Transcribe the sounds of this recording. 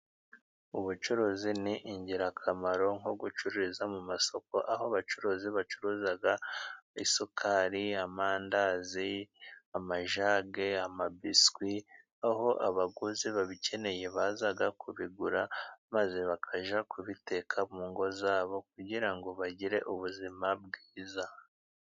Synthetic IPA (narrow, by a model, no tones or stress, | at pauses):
uβut͡ʃuɾoziniʔiɲɟiɾakʰamaɾo̞ŋoɡut͡ʃuɾiizamumaso̞ko̞ʔaɦoβat͡ʃuɾoziβat͡ʃuɾuːzaɡaisokʰaːɾiamaːndaziamaʒaːɡe̞amabiskwi | aɦo̞ʔaβaɡuziβaβice̞ne̞je̞βaːzaɡakuβiɡuɾamaze̞βakʰaʒakʰuβite̞kʰamuːŋɡo̞zaːβo̞k̚uɟiɾaŋɡo̞βaɟiɾe̞̰ʔuβuzimab̚ɡiːza